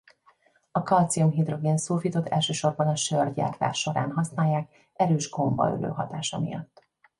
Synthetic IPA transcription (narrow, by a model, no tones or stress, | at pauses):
ɒkɒlt̪siumɦid̪ro̞ɡeːnsuːrfit̪o̞t̪ʰɛ̰lʃøːʃo̞rbɒnɒʃørɟa̰ːrt̪a̰ːʃo̞ɾa̰ːnɦɒsnaːjːaːk | ɛɾøːʒɡo̞mbɒ̰ø̰lø̰ːɦɒ̰t̪aːʃɒmḭjɒ̰t̪ː